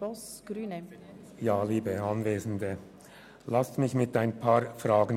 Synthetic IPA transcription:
ɔs | ɡ̥ɾyːnə | jaːliːbəɑnveːzn̩də | lastmɪçmɪtaɪnpʰaːɹfʁaːɡən

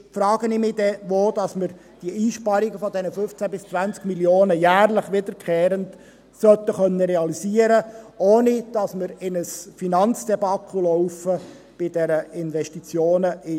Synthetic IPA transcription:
fɾɑːɡ̥ənɪmɪd̥̪ɛʋoːd̪̥ɑsməɾ | d̥iəiːʃpɑɾiɡəfɔd̪ɛnəfʏft͡sæbɪst͡sʋænt͡skmiljoːnəjæːrləχʋɪd̪əɾkʰχeːɾənd | sœt̪ːəχœnːəɾɛɑlisiəɾəoːnɪd̥ɑsməɾɪnəsfinɑnt͡sd̥ɛbɑkʰχulɔʊfə | b̥ɪdɛɾəɪnʋɛʃtit͡sjoːnəʔɪ

